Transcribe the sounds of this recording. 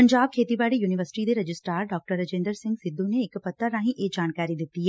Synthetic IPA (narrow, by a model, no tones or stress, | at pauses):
pɐ̃ɲd͡ʒaːb̚kʰeːt̪ibaːɽijuːnɪʋəɾsɪ̥ʈid̪eɾɐd͡ʒɪsʈaːɾɖɔːk̚ʈəɾːɐd͡ʒẽːnd̪əɾsɪ̃ŋɡsɪd̪ːũneːkpɐt̪ʰːəɾːãːɦĩʔeːd͡ʒaːnkaːɾid̪ɪt̪iɦɛː